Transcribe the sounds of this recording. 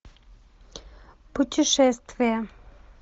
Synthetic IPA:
pʊtʲɪʂɛst̪vʲɪjɛ

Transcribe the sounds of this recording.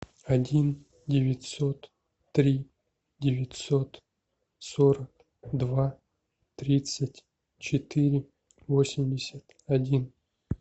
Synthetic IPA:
adʲin | dʲɪvʲɪtʲsot̪ː | ɾʲi | dʲɪvʲɪtʲsot̪ | soɾək̚ | d̪va | t̪ɾʲit̪sətʲ | t͡ɕɪt̪ɨɾʲɪ | vosʲɪmʲdʲɪsʲət̪ | ɐdʲin

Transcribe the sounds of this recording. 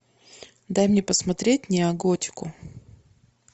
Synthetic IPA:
d̪ajmnʲepəsmɐt̪ɾʲet̚ʲnʲɪɐɡotʲɪ̥kʊ

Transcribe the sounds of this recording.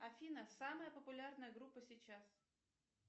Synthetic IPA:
ɐfʲinəsaməjəpəpʊlʲarnəjəɡɾupːəsʲɪt͡ɕas

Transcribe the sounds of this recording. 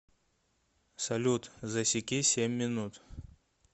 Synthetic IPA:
sɐlʲut̪zɐsʲɪkʲisʲemʲːɪnut̪

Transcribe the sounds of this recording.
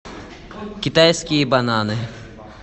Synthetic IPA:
kʲit̪ajskʲijbɐnanɨ

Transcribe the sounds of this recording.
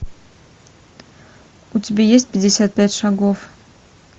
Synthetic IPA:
utʲibʲejes̬ʲt̪̚ʲpʲɪdʲesʲat̪̚pʲætʲʂaɡof

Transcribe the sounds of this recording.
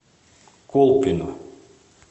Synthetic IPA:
kolˠpino

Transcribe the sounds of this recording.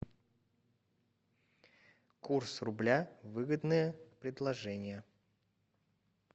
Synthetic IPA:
kursrʊblʲavɨɡəd̪nɨjəpɾʲɪd̪lˠɐʐɛnʲɪjə

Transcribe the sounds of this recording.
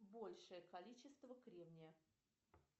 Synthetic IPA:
bolʲʂɨjəkɐlʲit͡ɕɪst̪vəkɾʲevnʲɪjə

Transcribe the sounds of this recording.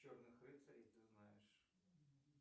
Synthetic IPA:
ornɨxrɨt̪sɐɾʲijt̪ɨznajɪʂ

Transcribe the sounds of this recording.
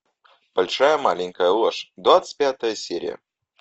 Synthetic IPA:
b̥ɐlʲʂajəmalʲɪŋʲkəjəlˠoʂd̪vat̪sɨ̥tʲpʲat̪əjəsʲeɾʲɪ̰jə̰

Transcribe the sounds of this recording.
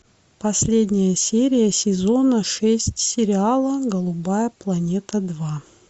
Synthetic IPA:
pɐsʲlʲedʲnʲɪjəsʲeɾʲɪjəsʲɪzo̞nəʂɛsʲtʲsʲɪɾʲɪalˠəɡəlˠʊbajəplˠɐnʲet̪əd̪va

